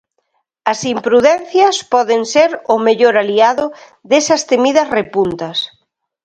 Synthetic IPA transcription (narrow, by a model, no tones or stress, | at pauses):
ɐsimpɾuðɛnθjɐspɔðenseɾʊmeʎoɾaliaðʊ | ðesɐst̪emiðɐsrepunt̪ɐs